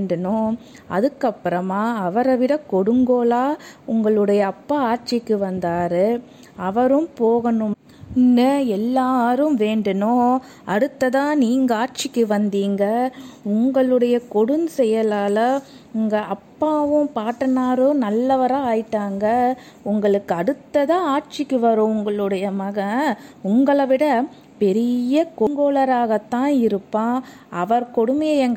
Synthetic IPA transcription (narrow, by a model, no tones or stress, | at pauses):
ɳɖɐnʊ̃ | ɐ̰ðɯkːɐpːɯɾɐmaːɐʋɐɾɐʋɪɽɐkɔɽɯŋɡoːlaːʊŋɡɐɭɯɽɐjɐːpːaːaːɾt͡ʃɪkːɯʋɐnd̪aːɾɯ | ɐʋɐɾɯ̃mpoːɣɐnɯm | ɪnːɯɛlːaːɾɯmʋeːɳɖɯnõː | ɐɽɯt̪ːɐðãːniːŋɡɐaːɾt͡ʃɪkːɯʋɐnd̪iːŋɡɐʊŋɡɐɭɯɽɐjɐkɔɽɯnsɛjɐlaːlɐ | ʊŋɡɐʔɐpːaːʋɯ̃paːʈːɐnaːɾɯ̃nɐlːɐʋɐɾaːaːjɪʈːaːŋɡɐ | ʊŋɡɐɭɯkːɯɐɽɯt̪ːɐðãːaːʈ̚t͡ʃɪkːɯʋɐɾõːʊŋɡɐɭɯɽɐjɐmɐɣɐʊŋɡɐɭɐʋɪɽɐ | pɛɾɪjɐkɔŋɡoːɭɐɾaːɣɐt̪ːãːɪɾɯpːãː | ɐʋɐɾkɔɽɯmɐjɐɛŋɡ